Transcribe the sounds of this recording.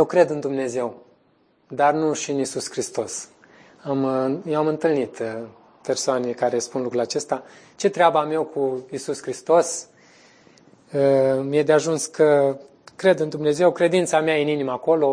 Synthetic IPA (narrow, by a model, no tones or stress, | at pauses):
jewkɾe̞d̪ɨnd̪umne̞ze̞w | d̪arnuʃiɨnisuskɾist̪o̞s | amjeamɨnt̪ɨlnit̪ | pe̞rsoanekaɾe̞spunlukɾulat͡ʃe̞st̪a | t͡ʃe̞t̪ɾeabəame̞wkʰuisuskɾist̪o̞s | əmjed̪eaʒunskʰə | kɾe̞d̪ɨnd̪umne̞ze̞wkɾe̞d̪int̪sameajeɨninimaːko̞lo̞